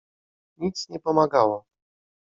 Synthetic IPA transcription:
ɲit̪sɲɛpɔmaɡawɔ

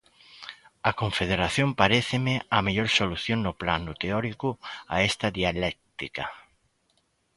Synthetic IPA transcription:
ɐkõɱfeð̞eɾaθjompaɾeθemeameʎoɾsoluθjoŋnʊplanut̪eɔɾikua̰ɛst̪aðialɛk̚t̪ika

